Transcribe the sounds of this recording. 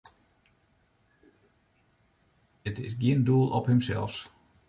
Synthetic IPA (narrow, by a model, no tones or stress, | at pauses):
ətɪsɡjiənduːlˠʔɔphəmsɛ̰lˠfs